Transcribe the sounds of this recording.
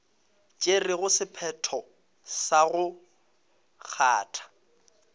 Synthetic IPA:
t͡ʃʼerɪɣʊsɪpʰɛtʰɔ | saɣʊ | k͡xʰa̰ːtʰḁ

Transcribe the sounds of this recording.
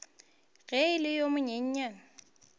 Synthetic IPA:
ɣɛɪlɪjomʊɲeɲ̩ɲan

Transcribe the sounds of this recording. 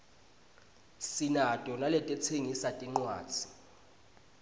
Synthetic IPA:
sinatʼɔnalɛtʼɛt͡sʰeŋisatʼiŋ͡ǀwa̰ːt͡sʰi̥

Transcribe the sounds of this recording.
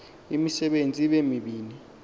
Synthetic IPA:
imisɛɓend͡zʱiɓemiɓiːni

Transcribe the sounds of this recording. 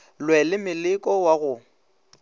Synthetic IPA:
lwɛlɪmɪlɪkʼɔwaɣʊ

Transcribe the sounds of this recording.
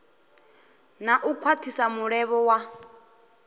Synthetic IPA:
naʔukʰwatʰisamuɺɛβɔwa

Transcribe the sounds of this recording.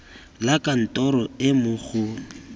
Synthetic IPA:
lakʼan̩tʼɔɾɔɪmʊɣʊ

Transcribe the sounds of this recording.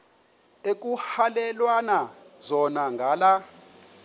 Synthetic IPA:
ek̬ʼuhalɛlwanazɔnaŋɡʱaːla

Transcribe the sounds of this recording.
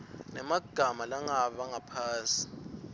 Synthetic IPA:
nɛmaɡ̥ʱamalaŋaɓaŋapʰaːnsʼi̥

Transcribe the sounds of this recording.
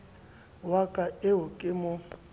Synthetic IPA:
wakʼaɪɦʊkʼɪmʊ

